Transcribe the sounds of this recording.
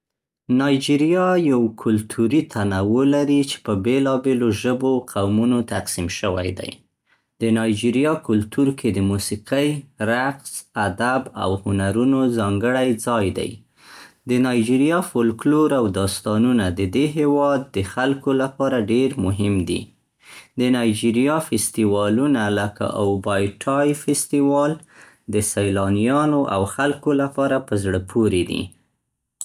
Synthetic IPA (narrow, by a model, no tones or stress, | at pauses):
nɑjd͡ʒiɾjɑjawkʰʊlt̪ʰuɾit̪ʰanawəlaɾit͡ʃe̥pəbelɑbeloʒəboqʰawmunot̪aqsimʃəwa̰jd̪a̰j | d̪ənɑjd͡ʒiɾjɑkʊlt̪uɾkʰed̪əmusiqəjɾaqsad̪aba̰whʊnaɾunozɑŋɡəɽajd͡zɑjd̪a̰j | d̪ənɑjd͡ʒiɾjɑfolkloɾawd̪ɑst̪ɑnunad̪əd̪eɦewɑd̪̚ːəxalkolapɑɾaɖeɾmʊɦɪmd̪ḭ | d̪ənɑjd͡ʒiɾijɑfɪst̪iwɑlunaləka̰ʔowbɑjʈʰɑjfɪst̪iwɑl | d̪əsajlɑnijɑnoʔa̰wxalkolapɑɾapəzɽəpʰoɾed̪ḭ